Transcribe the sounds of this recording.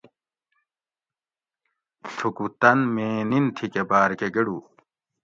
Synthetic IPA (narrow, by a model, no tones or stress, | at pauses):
tʰukut̪ɐnmeːnint̪ʰikebaːɾkeɡeɽu